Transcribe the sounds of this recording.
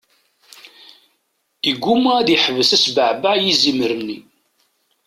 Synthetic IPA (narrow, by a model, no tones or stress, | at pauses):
iɡʷːumææðjəħəvəsæsbəʕbaʕjiziməɾəmni